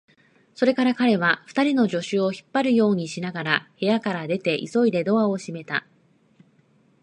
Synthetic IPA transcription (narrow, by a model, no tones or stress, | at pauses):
so̞ɾe̞kaɾakaɾe̞βaɸɯ̟̥t̪aɾʲino̞ʑo̞ɕɨo̞çi̥pːaɾɯ̟jo̞ːɲ̟iɕinaɡaɾahe̞jakaɾad̪e̞t̪e̞ʔiso̞id̪e̞d̪o̞βao̞ɕime̞t̪a̰